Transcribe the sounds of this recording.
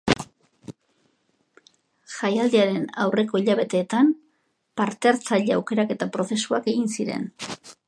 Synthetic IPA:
ʝajald̪eaɾe̞nawre̞ko̞iʎaβ̞e̞t̪e̞ːt̪am | paɾt̪eaɾt͡saʎea̰wke̞ɾake̞t̪apɾo̞θe̞suake̞ɣinsiɾe̞̰n

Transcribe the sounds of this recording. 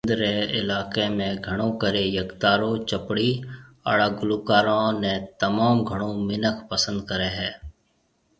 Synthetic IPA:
d̪ɾeːɪ̰laːkeːmẽːɡʱəɽ̃õːkəɾeːjəkt̪aːɾõːt͡ʃəpɽiːa̰ːɽaːɡʊluːkaːɾãːnẽːt̪əmaːmɡʱəɽ̃õːmɪnəkʰpəsə̃nd̪̚kəɾeːɦɛː

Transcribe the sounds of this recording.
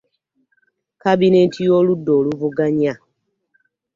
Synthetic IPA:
kabinentijoludoːluvuɡaɲa

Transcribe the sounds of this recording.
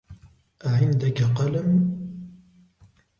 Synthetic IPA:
ʔaʕɪnd̪akaqɑlam

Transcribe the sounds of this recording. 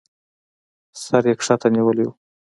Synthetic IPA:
saɾekʂat̪ʰaniwəlewu

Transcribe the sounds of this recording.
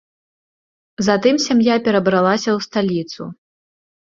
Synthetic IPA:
zɐt̪ɨmsʲamjapʲɛɾɐbɾalˠasʲɐwst̪alʲit̪sṵ

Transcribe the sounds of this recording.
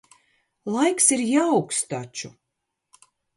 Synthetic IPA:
lˠajksiɾjawkst̪at͡ʃu

